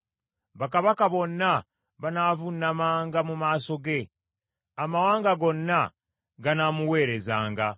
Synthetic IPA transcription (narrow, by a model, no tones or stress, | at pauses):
βakaβakaβo̞nːa | βanaːvunːamaːŋɡamumaːso̞ɡe̞ | amawaːŋɡaɡo̞nːa | ɡanamuwe̞ːɾe̞zaːŋɡa